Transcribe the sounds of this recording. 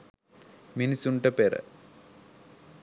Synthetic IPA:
minisuɳʈɐpeɾɐ̰

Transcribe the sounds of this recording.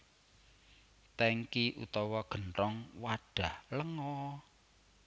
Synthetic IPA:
t̪ɛŋkiʔṵt̪ɔwɔɡ̥əntɔŋwaɖ̥a̤hləŋɔ

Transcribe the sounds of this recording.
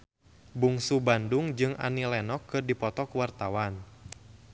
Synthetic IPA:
buŋsubanduŋd͡ʒɨŋʔa̰nilɛnɔkːɨrdipɔt̪ɔkuwart̪awan

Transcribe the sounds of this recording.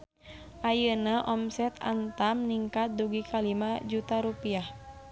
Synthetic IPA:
ʔajənaʔɔmsɛt̪a̰nt̪amniŋkat̪̚duɡikalimad͡ʒut̪aɾupiah

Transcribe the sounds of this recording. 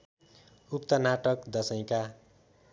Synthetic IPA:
upt̪ʌnaʈʌkd̪ʌsʌj̃ka

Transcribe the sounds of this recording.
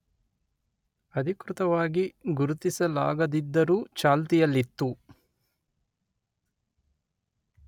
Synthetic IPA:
ɐd̪ʱikɾut̪ɐʋaːɡiɡuɾut̪isɐla̰ːɡɐd̪id̪ːɐɾuːt͡ʃaːlt̪ijɐlːit̪ːu

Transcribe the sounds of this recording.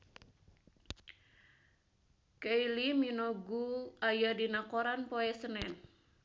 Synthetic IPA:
keiliminoɡuajadinakoɾanpoɛsənɛn

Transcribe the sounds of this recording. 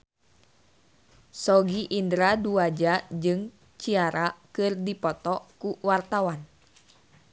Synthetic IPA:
sɔɡiʔindɾaduad͡ʒad͡ʒɨŋ | t͡ʃiaɾakɨrdipɔt̪ɔkuwart̪awan

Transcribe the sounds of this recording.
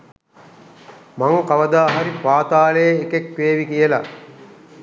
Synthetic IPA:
maŋkaʋɐd̪aːɦaɾipaːt̪aːlejeːkekʋeːʋikijəla̰

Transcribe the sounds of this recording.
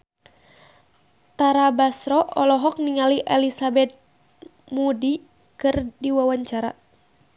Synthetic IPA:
t̪aɾabasɾɔʔɔlɔɦɔk̚niŋaliʔɛlisabɛt̪̚ | mudi | kɨrdiwawaɲt͡ʃaɾa̰

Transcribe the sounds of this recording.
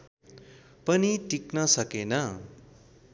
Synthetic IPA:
pʌniʈiknʌsʌkenʌ

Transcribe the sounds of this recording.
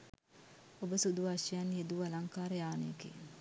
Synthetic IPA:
obəsud̪uʋaʃijaned̪uʋalaŋkaːɾəjaːnḛkḛ

